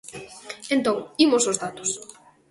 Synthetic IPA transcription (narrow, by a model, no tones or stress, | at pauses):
ẽnt̪oŋimʊsozðat̪ʊ̥s